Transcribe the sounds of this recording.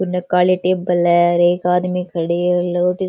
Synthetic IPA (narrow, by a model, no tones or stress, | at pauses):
kʊnɐkːaːleʈeːbɐlɛɾeːkaːd̪mikʰɐɽeːloːʈi